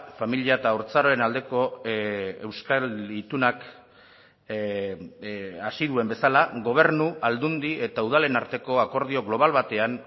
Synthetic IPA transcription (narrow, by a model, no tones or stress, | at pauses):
familiaet̪aoɾt͡saɾo̞enald̪e̞ko̞ | e̞wskalit̪unak | asiðue̞mbe̞salaɣo̞β̞e̞ɾnuʔald̪und̪ie̞t̪auð̞ale̞naɾt̪e̞ko̞ako̞ɾðio̞ɣlo̞β̞alβat̪e̞an